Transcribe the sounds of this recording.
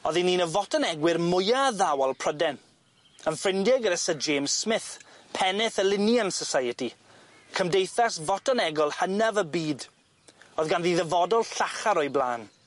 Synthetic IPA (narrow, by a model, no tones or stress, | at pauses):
ɔðiniːnəvɔtʰɔnɛɡwɪrmʊjaðawalˠpʰr̥ədɛn | ənfrɪndɪɡəɾəsəd͡ʒemsmɪθpʰɛnɪθəlɪnjansɔsajəti | kʰəmdejθasvɔtʰɔnɛɡɔlˠhənavəbiːd | oːðɡanðiðəvɔdɔlˠɬaχaɾɔjblˠaːn